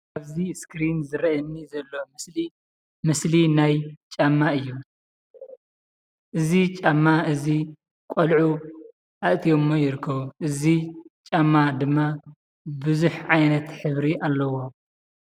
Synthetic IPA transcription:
ʔaβziskɾinzɨɾɐɐnːizɐlːo̞li | mɨslinajt͡ʃʼamːaɨjːu | ʔɨzit͡ʃʼamːaʔɨzi | kʷʼolʕu | ʔaʔt̪ʰijomːojɪɾɨkʰːɐβuʔɨzit͡ʃʼamːad̪ɨmːa | bɨzuħʕajnɐt̪ħɨβɾiʔalːɐwo̞

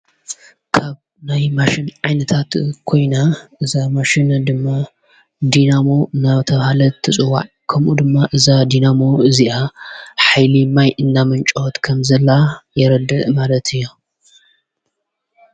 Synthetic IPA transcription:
kʰaβ | najmaʃɪnʕajnɐt̪ʰat̪kʰo̞jnaʔɨzamaʃɪnd̪ɨmːa | d̪inamo̞naβt̪ʰɐβhalɐt̪ʰɨsʼɨwa̰ʕ | kʰɐmʔud̪ɨmːaʔɨzad̪inamo̞ɨziʔaħajlimajʔɨnːamɐnt͡ʃʼot̪kʰɐmzɐlajɛɾɐd̪ɐʔmalɐt̪ʰɨjːo

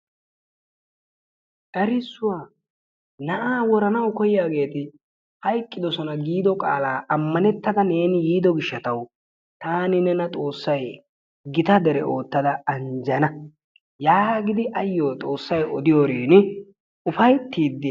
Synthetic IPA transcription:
ʔɐɾɪsːʊwaː | nɐʔaːwɔɾɐnɐwkɔjɪjaːɡe̞ːt̪ɪ | hɐjkʼːɪd̪ɔsɔnɐɡiːd̪ɔkʼa̰ːlaːʔɐmːɐnɛt̪ːɐd̪ɐne̞ːnɪjiːd̪ɔɡɪʃːɐt̪ɐw | t̪aːnɪnɛnɐt̪ʼo̞ːsːɐj | ɡɪt̪ɐd̪ɛɾɛʔo̞ːt̪ːɐd̪ɐɐnd͡ʒɐnɐ | jaːɡɪd̪ɪʔɐjːo̞ːt̪ʼo̞ːsːɐjɔd̪ɪjoːɾiːnɪ | ʊfɐjt̪ːiːd̪ːɪ

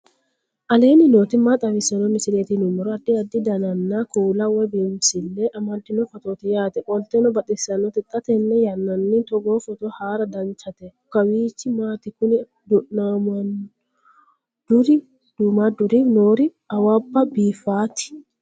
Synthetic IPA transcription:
ʔɐle̞ːnɪnoːt̪ɪmːaːt̪ʼɐwɪsɐnɔmɪsɪleːt̪ɪnʊmɔɾɔɐd̪ːɪɐd̪ːɪd̪ɐnɐnːakuːlawɛbimsɪlːɛʔɐmɐlt̪ːɪnɔfɐt̪oːt̪ɪjaːt̪ɛʔɔlt̪ɛnɔbɐt̪ʼːɪsɐnːɔt̪ɪt̪ʼːɐt̪ɛnːɛjɐnːɐnːit̪ɔɡoːfɔt̪ɔhaːɾɐd̪ɐnt͡ʃɐt̪ɛ | kːɐwiːt͡ʃːɪmaːt̪ɪkʊnɪ | d̪ʊʔnaːmɐn | d̪ʊɾɪ | d̪̥umad̪ʊɾinoːɾɪ | ɐwabːɐbiːfaːt̪ɪ̥

